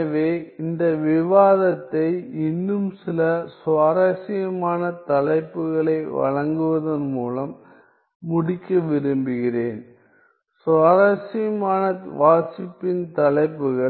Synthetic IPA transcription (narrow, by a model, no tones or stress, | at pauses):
ɐʋeːɪnd̪ɐʋɪʋaːðɐt̪ːɐɪɪnːɯmsɪlɐsaːɾɐsɪjɐmaːnɐt̪ɐlɐɪpːɯɣɐɭɐɪʋɐ̰ɻɐŋɡɯʋɐðɐnmuːlɐmː | ʊɽɪkːɐʋɪɾɯmbɪɣɪreːn | saːɾɐsɪjɐmaːnɐtʋaːsɪpːɪnt̪ɐlɐɪpːɯɣɐ